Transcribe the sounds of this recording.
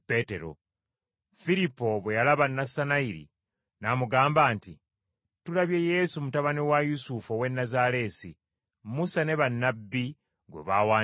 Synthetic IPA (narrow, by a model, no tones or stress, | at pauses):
pe̞te̞ɾo̞̰ | fiɾipːo̞βwe̞jalaβanːasanaiɾḭ | namuɡaːmbaːnti | tulaβje̞je̞sumutaβanewajusufowe̞nːazale̞ːsḭ | musane̞βanːabːi | ɡwḛβaːwaː